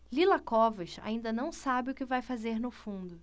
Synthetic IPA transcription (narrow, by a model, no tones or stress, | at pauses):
lilɐkɔvɐʃa̰ĩnd̪ɐnɐ̃w̃sabɪʊkɪvajfazeɾnʊfũnd̪ʊ